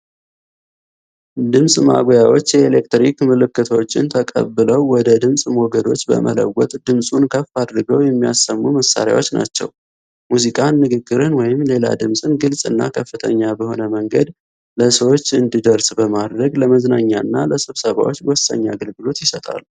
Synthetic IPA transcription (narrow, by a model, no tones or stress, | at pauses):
d̪ɨmsʼma̰ɡojawo̞t͡ʃːjɛelek̚t̪ɾikmɨlɨkːɨt̪ʰwt͡ʃːɪnt̪ʰəkʼə̰bːɨləwwɔd̪əd̪ɨmsʼmoɡəd̪o̞t͡ʃːbə̰mʔə̰lə̰wɔt̪ʼd̪ɨmsʼunkʰəfːad̪ɾɨɡəwjɛmːijasːəmːuməsːa̰ɾja̰wo̞t͡ʃːna̰t͡ʃːɛ̰w | muzikʼanːɨɡɨɡːɨɾɨnwɔjɪmle̞la̰d̪ɨmsʼɨnɡɨlsʼɨnːa̰kʰəfːɨt̪ʰəɲːabəho̞nəməŋɡəd̪ | ləsəwo̞t͡ʃːɨnd̪id̪əɾsbəmad̪ɾəɡləməznaɲːaɨnːaləsɨβsəβa̰wo̞t͡ʃːwɔsːə̰ɲːaaɡəlɡɨlo̞t̪jɪsət̪ʼa̰l